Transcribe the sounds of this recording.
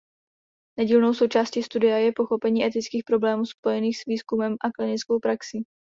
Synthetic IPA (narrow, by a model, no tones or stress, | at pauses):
nɛɟiːlno̞wso̞wt͡ʃaːsciːst̪udɪjajɛpo̞xo̞pɛɲiːʔɛt̪ɪt͡skiːxpɾo̞blɛːmuːspo̞jɛniːxsviːskumɛmʔaklɪnɪt͡skowpɾaksi